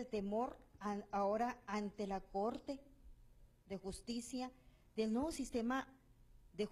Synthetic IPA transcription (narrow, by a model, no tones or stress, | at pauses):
lt̪e̞moɾaoɾaant̪e̞lakoɾt̪e̞ | ðe̞xust̪isja | ðelnweβosist̪ema | ðe